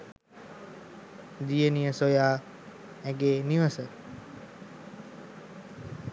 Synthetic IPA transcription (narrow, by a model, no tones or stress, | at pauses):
d̪ijənijəsojaː | ɛɡeːniʋəsə